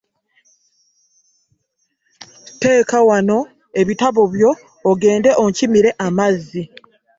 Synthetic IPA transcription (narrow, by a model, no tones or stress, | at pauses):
te̞ːkawano̞ | e̞βitaβo̞βjo̞ː | ɡe̞ːnde̞ʔocimiɾe̞ʔamazːi